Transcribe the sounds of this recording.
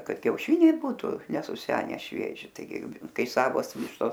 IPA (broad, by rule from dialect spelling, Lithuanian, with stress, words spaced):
ˈkɐt kʲɛʊˈʃʲɪnʲɛɪ ˈbuːtʊ nʲɛsʊˈsʲæːnʲɛ ˈʃʲʋʲiɛʒʲɪ tɐɪˈɡʲɪ ˈkɐɪ ˈsɑːʋoːs ˈʋʲɪʃtoːs